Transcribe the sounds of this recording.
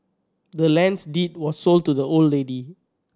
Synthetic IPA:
dəlɛ̃nsdit̚wɔssol̚tudəolledi

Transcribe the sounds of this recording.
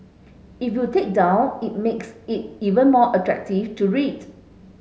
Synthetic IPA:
ifjutʰek̚dãʊ̃nit̚meksit̚ivə̃nmɔʔətʰɹɛ̰k̚tiftuɹit

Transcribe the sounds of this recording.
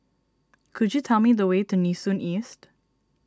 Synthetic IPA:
kʰʊd͡ʒjutʰɛlˠmiðəweːtunisũnʔist

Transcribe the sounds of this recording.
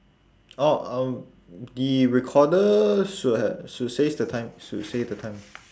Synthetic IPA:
ɔãm | diɹɛkʰɔdəʃut̚hɛʃutsesdətʰãɪ̃msutsesdətʰãɪ̃m

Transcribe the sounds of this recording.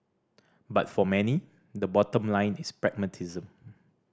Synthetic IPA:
ba̰tfɔmɛni | dəbɔtə̃mlãɪ̃nispɹɛɡ̚mətʰizə̃m

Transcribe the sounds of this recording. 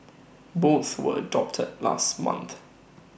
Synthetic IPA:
boˑθwəɹədɒp̚tʰɪdlɑ̰ːˑstmʌ̰̃nθ

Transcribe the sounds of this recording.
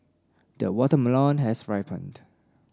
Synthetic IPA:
d̥əwɔtəməlɔ̃nɦɛsɹaɪpʰə̰̃nd

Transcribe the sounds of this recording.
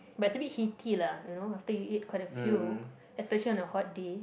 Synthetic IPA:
battsəbit̚hitʰilajunoaftəjuit̚kʰwajtəfju | ɛspɛʃəliɔ̃nəhɔt̚de

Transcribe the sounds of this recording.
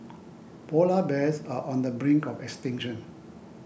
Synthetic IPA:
polabɛsaʔɔ̃ndəbɹɪ̃ŋkɔfɛkstɪ̃ŋʃə̃n

